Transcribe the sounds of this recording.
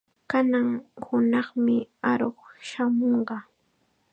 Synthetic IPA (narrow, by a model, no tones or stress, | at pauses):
kanaŋhʊnɑχmɪaɾoχʃamoɴɢɑ